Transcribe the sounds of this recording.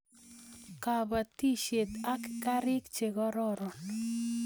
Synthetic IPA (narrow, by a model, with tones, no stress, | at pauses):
ka˨ba˨t̪i˦ʃe˨t̪a˦kka˦ɾɪ˦kt͡ʃe˨ɡɔ˦ɾɔ˦ɾɔ˨n